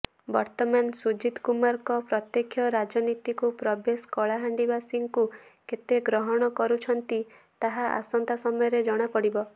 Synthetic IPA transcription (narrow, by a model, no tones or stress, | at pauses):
bɔɾt̪ɔmansud͡ʒid̪kumaɾkɔpɾɔt̪jekʰjɔɾad͡ʒɔnit̪ikupɾɔbeskɔɭaɦaɳɖibasiŋkuket̪eɡɾɔɦɔɽ̃ɔkɔɾut͡ʃʰɔnt̪i | t̪aɦaʔa̰sɔnt̪asɔmɔjɔɾed͡ʒɔɽ̃apɔɽibɔ